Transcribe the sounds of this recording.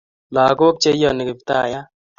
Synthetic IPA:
la˨ɡo˦k̚t͡ʃe˦jɔ˦˨nɪ˨ke˨pt̪a˦˨ja˦

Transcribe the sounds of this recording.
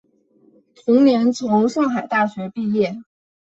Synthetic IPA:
t̪ʰʊ˧˥ŋnjɛ˧˥nt͡sʰʊ˧˥ŋʂɑ˥˩ŋxa˨˩ɪt̪a˥˩ɕɥɛ˧˥pi˥˧jɛ˥˩

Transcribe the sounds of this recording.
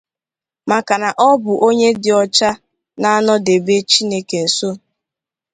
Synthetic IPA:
ma˨ka˨na˨ʔɔ˦bʊ˨ʔo˦ɲe˦dɪ˨ɔ˨t͡ʃa˦ | na˦a˦nɔ˦de˨be˦t͡ʃi˦ne˦ke˨n̩˨so˦

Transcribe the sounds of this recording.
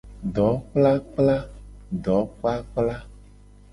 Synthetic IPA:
ɖɔ˨˦k͡pla˦k͡pla˦ɖɔ˨˦k͡pa˦k͡pla˦

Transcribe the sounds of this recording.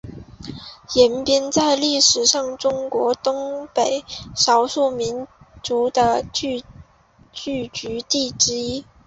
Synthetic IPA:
jɛ˧˥npjɛ˥nt͡sa˥˧ɪli˥˩ʂɻ̩˨˩ʂɑ˥˩ŋʈ͡ʂʊ˥ŋkwɔ˧˥t̪ʊ˥ŋpe˨˩˦ɪʂɑ˧˥ʊʂu˥˩mi˧˥nt͡su˧˥d̪ə˧t͡ɕy˥˧ | t͡ɕy˥˩t͡ɕy˧˥t̪i˥˩ʈ͡ʂɻ̩˥i˥

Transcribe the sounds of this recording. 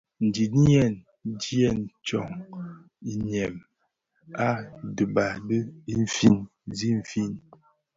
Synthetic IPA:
n̩˨di˨n˦jɛ˦˨n | d͡ʒi˦ɛ˦˨nt͡ʃɔ˨ŋ | i˨ɲɛ˨m | a˦də˨ba˨də˦i˦ɱ˨fi˦˨n | zi˦ɱ˨fi˦˨n

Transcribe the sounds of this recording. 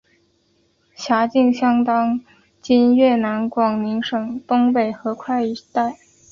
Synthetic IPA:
ɕja˧˥t͡ɕi˥˧ŋɕjɑ˥ŋt̪ɑ˥ŋ | t͡ɕi˥nɥɛ˥˩na˧˥nkwɑ˨˩ŋni˧˥ŋʂɤ˨˩ŋt̪o˥ŋpe˨˩ɪxɤ˧˥kʰwa˥˩ɪi˧˥t̪a˥˩ɪ

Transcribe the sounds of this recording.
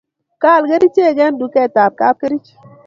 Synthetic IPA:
ka˦˨lɡe˦ɾi˦t͡ʃe˦˨ɡɛ˦ndu˨kɛ˦˨ta˨ɾ̚ka˦l̚ke˦ɾi˦t͡ʃ

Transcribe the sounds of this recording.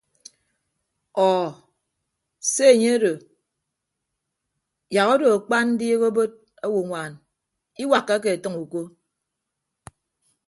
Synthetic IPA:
ɔː˨ | se˦e˨ɲe˦a˦do˨ | ja˨ɣo˦do˨a˨k͡pa˦nn̩˦di˦e˦ɣo˦bo˦d̚ | a˦wu˨ŋʷaː˨n | i˦wa˨kːa˦k̬e˨e˨tɨ˦ŋu˨ko˦

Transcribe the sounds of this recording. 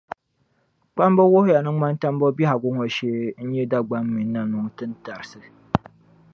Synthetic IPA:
k͡pa˦mbɔ˦wo˦hʊ˦ja˨nɨ˦ma˦nta˦m˦bɔ˦bi˦ha˨ɡʊ˦ŋɔ˨ʃeː˦n̩˦ɲɛ˦da˦ɡ͡ba˦mːi˨nː˦a˦nʊ˨ŋtɨ˦n˦ta˨ɾɨ˨sɨ˦

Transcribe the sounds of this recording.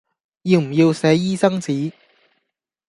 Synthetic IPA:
jiː˧wm̩˨˩jiː˧wsɛː˨˥jiː˥sɐ˥ŋt͡siː˨˥

